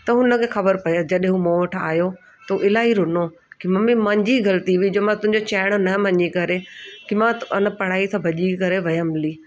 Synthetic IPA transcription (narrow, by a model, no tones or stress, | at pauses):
t̪ɐɦʊnə̆kʰexɐbəɾpɐjəd͡ʑɐɗɦẽɦũmoːʋɐʈʰa̰ːjo | t̪ɐuʔɪlaːiɾʊno | kimɐmĩmɐ̃ɲd͡ʑiɡɐlət̪iʋid͡ʑoːmãt̪ʊ̃ɦɪ̃ɲd͡ʑot͡ɕaːɪɽ̃nɐmɐ̃ɲikɐɾekimãʊnə̆pɐɽ̤aːisʰãbʱɐʄikɐɾeʋɐjəmliː